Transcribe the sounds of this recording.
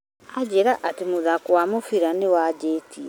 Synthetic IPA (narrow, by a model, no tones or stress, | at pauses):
ad͡ʑeɾaʔatemoðakwamofiɾanewad͡ʑeːti